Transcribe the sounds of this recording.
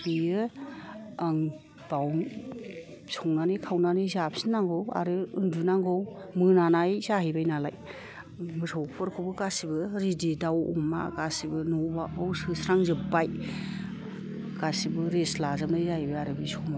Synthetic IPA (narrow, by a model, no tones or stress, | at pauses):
b̥iɯ | aŋ | b̥aw | sɔŋnanikʰawnanizapsinaŋɡɯwa̰ɾɯɯndunaŋɡɯwmɯnanajzahibajnalaj | mɯsʰɔwpʰɔɾkʰɯbɯɡasibɯɾididawṵmːa̰ɡasibɯnɔbaawsɯsɾaŋzɯpːaj | ɡ̥asibɯɾeslazamnazahibɯaɾɯbisɔma